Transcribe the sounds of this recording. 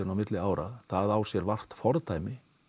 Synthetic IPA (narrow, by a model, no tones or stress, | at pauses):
ʏnawmɪt̪lɪaːwɾa̰ðθaðaːw̥sjɛɾvar̥t̪fɔɾðt̪ʰaːjmɪ